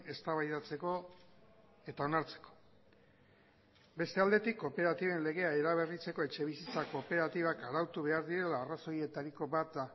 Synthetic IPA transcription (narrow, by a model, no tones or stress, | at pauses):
e̞st̪aβajðat͡se̞ko̞ | e̞t̪ao̞naɾt͡se̞̥ko̞̥ | be̞st̪e̞ald̪e̞t̪ikːo̞pe̞ɾat̪iβe̞nle̞ɣ̞e̞ae̞ɾaβ̞e̞rit͡se̞ko̞e̞t͡ʃe̞β̞isit͡sako̞pe̞ɾat̪iβ̞akaɾawt̪uβe̞aɾðiɾe̞laːraso̞je̞t̪aɾiko̞bat̪̚d̪a